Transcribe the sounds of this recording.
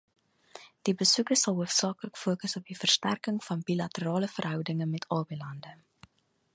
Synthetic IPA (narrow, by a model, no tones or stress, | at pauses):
d̥ibəsukəsɐlˠɦuəfsɑːkləkfuəːkəsɔp̚difərstærkəŋfɐnbilɐtəɾɑːləfərɦœwdəŋəmɛtʰɑːbɛlɐndə